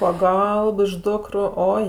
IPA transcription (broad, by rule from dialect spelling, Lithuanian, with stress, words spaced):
ˈpɑːˈɡɐlˠp ɪʃ ˈdʊkrʊ ˈoːɪ